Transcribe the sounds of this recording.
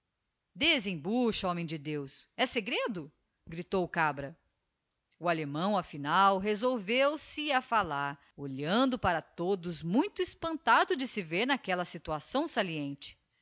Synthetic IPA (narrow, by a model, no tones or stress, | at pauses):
d̪ezẽj̃buʃɐɔ̃mẽj̃d͡ʒɪd̪ewsɛseɡɾed̪ʊ | ɡɾit̪owkabɾɐ | ualemɐ̃w̃ɐfinawɦezowvewsɪɐfalaɾ | oʎɐ̃nd̪ʊpaɾɐt̪od̪ʊzmũj̃t̪ʊispɐ̃nt̪ad̪ʊd͡ʒɪsɪveɾnakɛlɐsit̪uasɐ̃w̃saliẽnt͡ʃɪ̥